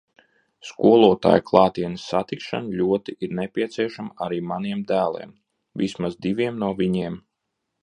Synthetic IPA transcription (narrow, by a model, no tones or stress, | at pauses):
skuɔlˠuɔt̪a̰ːjklˠɑːt̪iɛnəsːat̪ikʃa̰nlʲuɔt̪iʔiɾnepʲiɛt̪siɛʃamaɾiːmaniɛmd̪æːlˠɛ̰ːm | vismazd̪iʋiɛmnuɔvʲiɲiɛm